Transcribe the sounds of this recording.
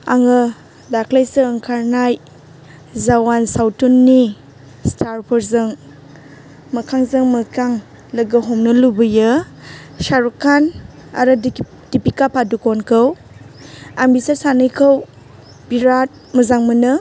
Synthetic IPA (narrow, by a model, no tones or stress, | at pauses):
a̰ŋɯ | dakʰlajsɯːŋkʰaɾnaj | zawansawtunːi | staɾpʰɔɾzɯŋ | mɐkʰaŋzɯŋmɐkaŋ | lɐɡɯɦɔmnɯlubɯjɯ | saɾukʰana̰ɾɯ | dipikapʰadukonkʰəw | ambisasanɯjkʰəw | biɾat̚ | mɐzaŋmɯnɯ